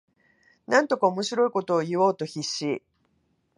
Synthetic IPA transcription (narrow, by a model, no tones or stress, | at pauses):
nãnt̪o̞kaomo̞ɕiɾo̞iko̞t̪o̞ːjɯβoːt̪o̞çiɕːiː